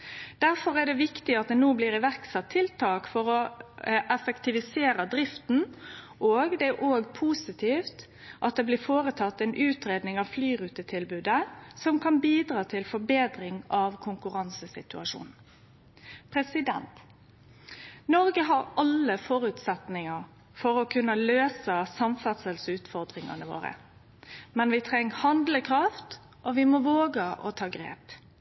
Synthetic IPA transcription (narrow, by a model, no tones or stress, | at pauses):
d̪̥æɾfɔɾæɖ̪ɛʋɪkt̪ɪɑt̪̚d̪ɛnuːbliːɾɪʋæɾksɛt̪ʰːɪlt̪ʰɑːkfɔɾɔʔɛfɛkt̪ɪʋɪseːɾəd̪ɾɪft̪n̩ | ʔoːɡd̪ɛʔoːɡpʰuːsɪt̪ʰiːft̪ | ʔɑt̪̚d̪ɛːblɪːfoːɾət̪ʰɑt̪ːɛnʔʉːt̪ɾeːd̪nɪŋɑʋflyːʁʉːt̪ət̪ʰɪlbʉːd̪əsɔmkʰɑnbiːd̪ɾɑːt̪ʰɪlfɔɾbeːd̪ɾɪŋɑʋkʰʊŋkʉɾɑnsəsɪt̪ʉɑʂṵːnn̩ | pʰɾɛsɪd̪ɛ̰nt̪ | nɔɾɡəɦɑɾɑləfɔɾʉːt̪sɛt̪nɪŋəɾ | fɔɾɔkʰʉnːəløːsəsɑmfɑt̪səlsʉːt̪fɔʁd̪ʁɪŋɑ̰nəʋo̰ːɾə̰ | mɛnʋɪt̪ʰɾɛŋːhɑnd̪ləkʰɾɑft̪ | ʔɔʋɪmɔʋoːɡəʔɔt̪ʰɑːɡɾḛːp